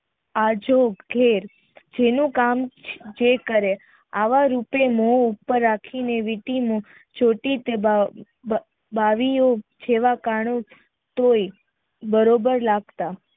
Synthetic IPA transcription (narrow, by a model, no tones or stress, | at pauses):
ad͡ʒoɡɡʱeɾ | d͡ʒenũkamd͡ʒekəɾe | aʋaɾupemoupːəɾːakʰineʋiʈimõ | d͡ʒoʈit̪eba | baʋiod͡ʒeʋakaɳõ | t̪oi | bəɾobəɾlaɡt̪a